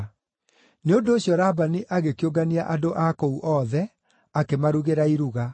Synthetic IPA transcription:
neondoːɕjɔɾaːbaniʔaɣekeoɡaniaʔadoʔakouʔɔːðɛ | akemaɾuɣeɾaiɾuɣa

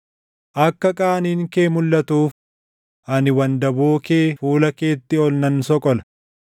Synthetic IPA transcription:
ʔɐkːɐkʼaːniːŋkeːmʊlːɐt̪uːf | ʔɐnɪwɐnd̪ɐboːke̞ːfuːlɐke̞ːt̪ːɪɔlnɐnsɔkʼɔlɐ̥

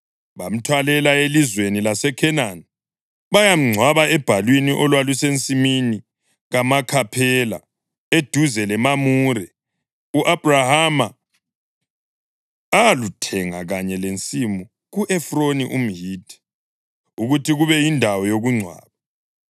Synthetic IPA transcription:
βam̩tʰwalɛlaelizwenilasɛkʰɛnan | βajam̩ŋ͡ǀʱwaβaɛb̥ʱalwiniʔɔlwalusent͡sʼimini | ɣamakʰapʰɛla̰ | ed̥ʱuzɛlɛmamuɾɛ | uʔab̥rahama | alutʰɛŋa̰ɣaɲɛlent͡sʼimu | ɣuʔɛfroniʔum̩jiːd̥ʰɛ̥ | uɣutʰiɣuβɛjindʱawɔjoɣuŋ͡ǀʱwa̰ːβa

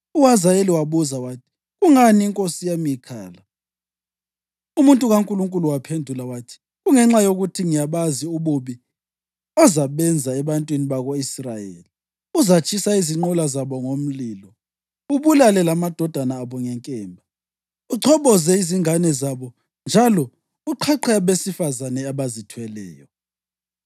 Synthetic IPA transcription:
uwazajeliwaβuzawaːtʰi̥ | ɣuŋaniːŋkʼosijamikʰa̰ːla | umuntʼuɣaŋkʼuluŋkʼuluwapʰendʱulawaːtʰi̥ | ɣuŋɛŋ͡ǁajoɣutʰiŋijaβaziuβuβi | ɔzaβɛnd͡zʱaɛβantʼwiniβaɣoisrajḛːli | uzat͡ʃʼisaiziŋ͡ǃɔlazaβɔŋom̩liːlɔ | uβulalɛlamad̥ʱɔd̥ʱanaːβɔŋɛŋkʼɛːmbʱa | uǀʰɔβɔzɛiziŋanɛzaβɔ | nd͡ʒʱalɔ | uǃʰaǃʰɛβesifazanɛaβazitʰwɛlɛ̰ːjɔ

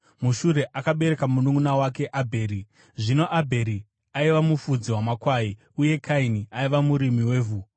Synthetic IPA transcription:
muʃuɾe̞ʔakaɓe̞ɾe̞kamunuŋunawake̞ʔabʱe̞ːɾi | ʐino̞ʔabʱe̞ɾi | aiʋamufud͡ziwamakwaːi | uje̞kʰainiaiʋamuɾimiwe̞ːvu

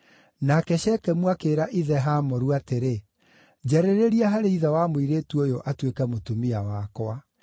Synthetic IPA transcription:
nakɛɕɛkɛmwakeːɾaʔiðɛɦamɔɾuateɾe | d͡ʑɛɾeɾeɾiaɦaɾeiðɛwamoiɾetuojoʔatwekɛmotumiawakɔa

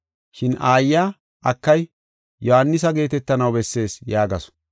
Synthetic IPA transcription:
ʃɪnaːjːaː | ʔɐkːɐj | jɔhanːɪs̬ɐɡe̞ːt̪ɛt̪ːɐnɐwbɛsːe̞ːsjaːɡɐsɔ̥

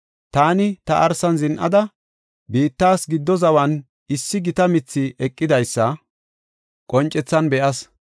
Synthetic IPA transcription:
t̪aːnɪt̪ɐʔɐɾsɐnzɪnʔɐ̰d̪ɐ | biːt̪ːaːsɡɪd̪ːɔzɐwɐn | ɪsːɪɡɪt̪ɐmɪt͡sːɪʔɛkʼːɪd̪ɐjsːɐ | kʼɔnt͡ʃʼːɛt͡sːɐnbɛʔɐs

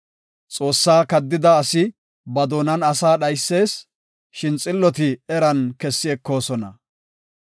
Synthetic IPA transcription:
t͡sʼo̞ːsːaːkɐd̪ːɪd̪ɐːsɪ | bɐd̪oːnɐnɐsaːɗɐjsːe̞ːs | ʃɪnt͡sʼɪlːɔt̪̬ɪɛɾɐnkɛsːɪɛkːo̞ːsɔnɐ

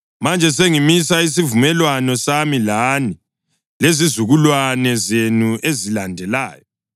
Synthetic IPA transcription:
mand͡ʒʱɛs̬eŋimisais̬ivumɛlwanɔsamilani | lezizuɣulwanɛzenuezilandʱɛlaːjɔ

